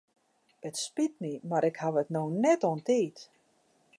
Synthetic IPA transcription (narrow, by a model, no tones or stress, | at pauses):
ətspitnimaɾɪkhaʋətnoːnɛtontiːt